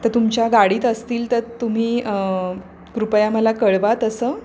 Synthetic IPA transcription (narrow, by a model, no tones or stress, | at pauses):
t̪əɾt̪umt͡ɕjaɡaɽiːt̪əst̪iːlt̪əɾt̪um̤iː | kɾupəjaməlakəɭʋat̪əsəː